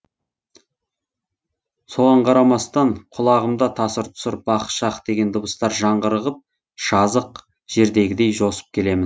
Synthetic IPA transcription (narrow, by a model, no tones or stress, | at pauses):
so̞ʁɑɴqʰɑɾɑmɑst̪ɑɴqʰʊlˠɑʁəmd̪ɑt̪ʰɑsəɾt̪ʰʊ̥səɾb̥ɑqʃɑqd̪e̞ɡʲe̞nd̪ʊbəst̪ɑɾʒɑɴʁəɾəʁəp̚ | ʃɑzəq | ʒ̥e̞ɾd̪e̞ɡʲɪd̪e̞jʒo̞sə̥p̚kʲʰe̞le̞mɪn